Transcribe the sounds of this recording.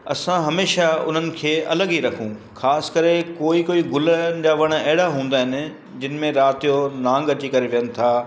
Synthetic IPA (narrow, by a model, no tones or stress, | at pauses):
ɐsãɦɐmeːʃaʊ̰n̤ənɪ̆kʰeːɐ̰ləɡiɾɐkʰũxʰaːsɪ̥kɐɾekoːikoːiɡʊləd͡ʑaːʋɐɽ̃ɐɦɪɽaɦũːn̆d̪aːɦɪnɪ̆ | d͡ʑɪn̆mẽɾaːt̪ijonãːŋɡɐt͡ɕikɐɾeʋijənɪ̆t̪ʰaː